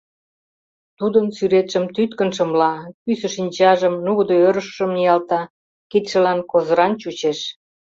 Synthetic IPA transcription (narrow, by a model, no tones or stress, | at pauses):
t̪ud̪ənsyɾet̪ʃə̆mt̪yt̪kə̆nʃə̆mlɑpysə̆ʃinʲt͡ɕɑʒə̆mnuɣd̪oøɾəʃʃə̆mijɑlt̪ɑ | kit̪ʃə̆lɑnkozə̆ɾɑnt͡ɕut͡ɕeʃ